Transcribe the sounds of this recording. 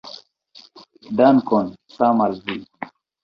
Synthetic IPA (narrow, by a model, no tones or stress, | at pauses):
ɖankonsamalzi